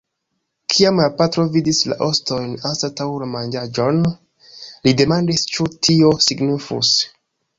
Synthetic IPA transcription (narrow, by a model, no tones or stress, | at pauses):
kʰiamlapatɾo̞vidisla̰ʔo̞sto̞jnansatawlamand͡ʒad͡ʒo̞n | lide̞mandist͡ʃutʰio̞siɡnifṵs